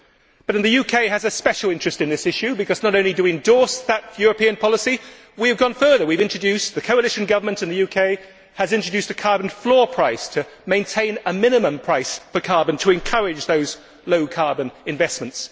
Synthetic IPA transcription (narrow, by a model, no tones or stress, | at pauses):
b̥ʌɾɨ̃nðɨjʉkʰeɪɨzɨspɛʃl̩ˠɪ̃nt͡ʃɹ̥ɨstɨ̃nðɪsɪʃʉbɨkʌznəɾõʊ̃nlidɨwiɨ̃ndɔɹsðət̚jʊɹɨpĩɨ̃npʰɑlˠəsi | wiɨvɡɒ̃nfɜ˞ðə˞wivɪ̃nt͡ʃɹ̥ɨdʉsðɨkʰoʊəlɪʃɨ̃nɡʌvə˞mə̃ntɨ̃nðɨjʉkʰeɪ | ɨzɪ̃nt͡ʃɹ̥ɨd͡ʒʉstɨkʰɑɹb̃n̩flɔɹpʰɹ̥aɪstʰɨ | mẽɪ̃ntʰẽɪ̃nəmɪ̃nɨmə̃mpʰɹ̥aɪsfə˞kʰɑɹbɨ̃ntʰəɨ̃nkʰʌɹɪd͡ʒðoʊz | loʊkʰɑɹbɨ̃nɨ̃ɱvɛsmə̃nts